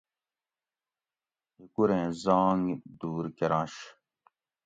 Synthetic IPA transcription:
ikuɾẽːzaːŋd̪uːɾkeɾɑ̃ːɕ

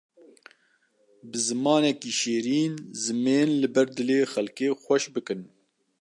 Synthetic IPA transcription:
bɨzɨmɑːnɛkiːʃeːɾiːnzɨmeːnlɨbɛɾd̪ɨleːxɛlkeːxʷɛʃbɨkɨn

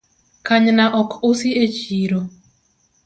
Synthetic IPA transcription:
kaɲnaʔɔkʰʊsiet͡ʃiɾo

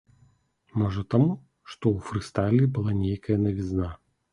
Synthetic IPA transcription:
mɔʐɐt̪amu | ʂt̪ɔufɾɨst̪alʲibɨlˠanʲejkɐjɐnɐvʲizna

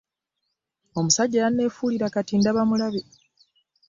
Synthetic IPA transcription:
o̞musaɟːajanːe̞ːfuːliɾakatindaβamulaβe

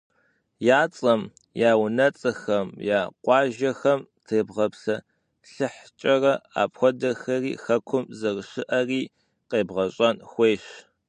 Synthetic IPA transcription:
jaːt͡sʼɐm | jaːwnɐt͡sʼɐxɐmjaːqʷɑːʒɐxɐmtʰeːbʁɐpsɐ | ɬɨħt͡ʃʼɐrɐa̰ːpxʷɔdɐxɐriːxɐkʷʰʊmzɐrʃɪʔɐriː | qeːbʁɐɕʼɐnxʷeːɕ

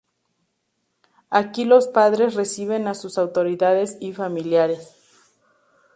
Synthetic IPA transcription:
akilo̞spaðɾe̞sre̞siβe̞nasusawt̪o̞ɾiðaðe̞sifamiljaɾe̞s

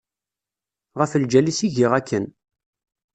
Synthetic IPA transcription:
ʁəfəld͡ʒælisiʝiʁækʰːən

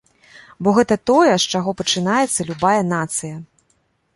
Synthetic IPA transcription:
bɔɣɛt̪ɐt̪ɔjɛʂt͡ʂaɣɔpɐt͡ʂɨnajɛt̪sːɐlʲubajɐn̪at̪sɨjɐ

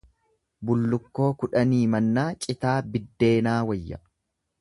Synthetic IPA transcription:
bʊlːʊkːo̞ːkʊᶑɐniːmɐnːaːt͡ʃʼɪt̪aːbɪd̪ːe̞ːnaːwɐjːɐ̰

